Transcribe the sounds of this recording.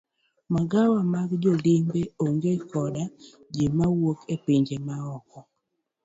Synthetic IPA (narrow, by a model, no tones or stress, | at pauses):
maɡawamaɡd͡ʒolimbeoŋɡekɔda | d͡ʒemawokʰepiɲd͡ʒemaɔkɔ